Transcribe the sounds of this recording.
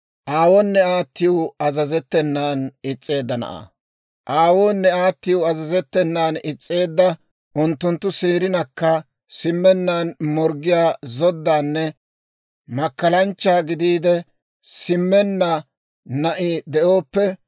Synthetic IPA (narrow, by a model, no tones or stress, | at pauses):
ʔaːwɔnːɛaːt̪ːɪjʊɐzɐzɛt̪ːɛnːaːnɪt͡sʼːe̞ːd̪ːɐnɐ̰ʔa̰ː | ʔaːwoːnːɛaːt̪ːɪjʊɐzɐzɛt̪ːɛnːaːnɪt͡sʼːe̞ːd̪ːɐ | ʔʊnt̪ːʊnt̪ːʊseːɾɪnɐkːɐ | sɪmːɛnːaːnmɔɾɡɪjaːzɔd̪ːaːnːɛ | mɐkːɐlɐnt͡ʃːaːɡɪd̪iːd̪ɛ | sɪmːɛnːɐ | nɐʔɪd̪ɛʔo̞ːpːɛ